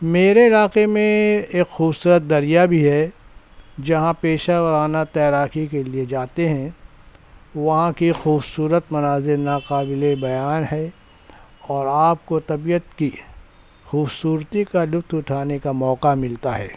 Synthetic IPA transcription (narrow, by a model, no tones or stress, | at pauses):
meːɾeɪlaːqemẽeːkxuːbsuːɾət̪̚d̪ɐɾijabʱiɦɛ | d͡ʒɐɦãpeːʃaːʋəɾaːnat̪ɛːɾaːkikelied͡ʒaːt̪eɦɛ̃ | ʋɐɦãkixuːbsuːɾət̪mɐnaːzɪɾnaːqaːbɪlebɐjaːnɦɛ | ɔːɾaːp̚kot̪ɐbijət̪ki | xuːbsuːɾt̪ikalʊft̪ʰʊʈʰaːnekamɔːqamɪlt̪aɦɛ̰ː